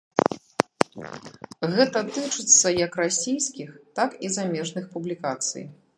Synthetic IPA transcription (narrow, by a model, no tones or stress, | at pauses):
ɣɛt̪ɐt̪ɨt͡ʂɨt̪sːɐjɐkrasʲijskʲixt̪akizamʲɛʐnɨxpublʲikat̪sɨ̰j